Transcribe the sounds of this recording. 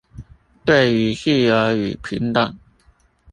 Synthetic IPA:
t̪we˥˩ɪy˧˥ɕy˥˩ə˧˥y̰˨˩pʰḭ˧˥ŋt̪ə˨˩ŋ

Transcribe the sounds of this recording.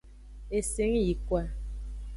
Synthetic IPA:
e˨se˨˦ŋ˦ji˨kwa˨

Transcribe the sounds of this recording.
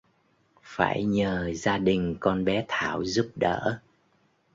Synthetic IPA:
fa̰ː˧˩jɲəː˨˩zaː˧ɗï˨˩ŋ̟kɔ˧nɓɛ˨˦t̪ʰaː˧˩wzu˦˥p̚ɗə̰ː˧˨

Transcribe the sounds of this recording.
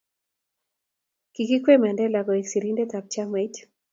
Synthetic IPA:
ki˨ki˦kwe˦ma˨ndɛ˦la˨ɡɔ˨i˨ksi˨ɾi˦nde˦t̪a˨p̚t͡ʃa˦ma˨t

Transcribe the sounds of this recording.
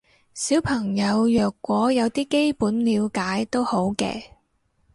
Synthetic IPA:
siː˨˥wpʰɐ˨˩ŋjɐ˨˧wjœː˨kːʷɔː˨˥jɐ˨˧wt̪iː˥ke˥jpuː˨˥nliː˨˧wkaː˨˥jt̪o˥who˨˥wkɛ̰ː˧

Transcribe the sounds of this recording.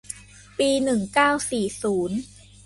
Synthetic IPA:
piː˧nɯ˨˩ŋkaː˥˩wsiː˨˩suː˩˦n

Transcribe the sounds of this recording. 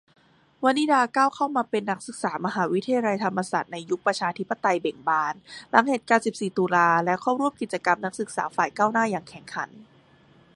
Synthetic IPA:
wa˧nːiː˦˥daː˧kaː˥˩wkʰa˥˩wmaː˧pe˧nːa˦˥k̚sɯ˨˩k̚saː˩˦ma˧ɦaː˩˦wi˦˥t̪ʰa˧ja˧la˧jt̪ʰa˧mːa˧saː˨˩t̪̚na˧jːu˦˥k̚pɾa˧t͡ɕʰaː˧t̪ʰi˦˥pːa˨t̪a˧jbe˨˩ŋbaː˧nla˩˦ŋhe˨˩t̪̚kaː˧˩wsi˨˩p̚siː˨˩t̪uː˧laː˧lɛ˦˥kʰɔː˥˩ɾu˥˩əmki˨˩t̪̚t͡ɕa˧ka˧mna˦˥k̚sɯ˨˩k̚sa̰ː˩˦faː˨˩jkaː˥˩wnaː˥˩jaː˨˩ŋkʰɛ˨˩˦ŋkʰa̰˩˦n

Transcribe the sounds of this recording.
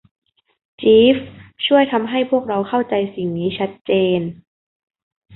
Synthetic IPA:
t͡ɕiː˦˥ft͡ɕʰu˥˩əjt̪ʰa˧mɦa˥˩jpʰu˥˩ək̚ɾa˧wkʰa˥˩wt͡ɕa˧jsi˨˩ŋniː˦˥t͡ɕʰa˦˥t̪̚t͡ɕeː˧n

